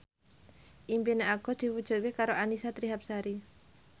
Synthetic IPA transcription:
ʔimpineaɡ̥ɔ̤sd̪̥i̤pud̥ʒ̥ṳt̪̚kekaɾoʔanisat̪ɾiɦap̚saɾi

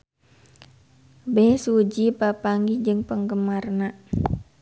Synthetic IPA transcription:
bɛhsud͡ʒipapaŋɡid͡ʒɨŋpəŋɡəmarna

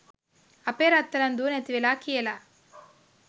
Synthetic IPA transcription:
ɐpeːɾɐt̪ːɐɾɐnd̪unet̪iʋelaːkʰijɐlɐ

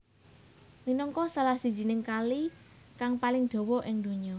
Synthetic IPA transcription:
minɔŋkɔsalahsi̤̥d͡ʒ̥inɪŋkalikaŋpalɪŋd̪̥ɔ̤wɔʔɪŋd̪̥o̤ɲɔ

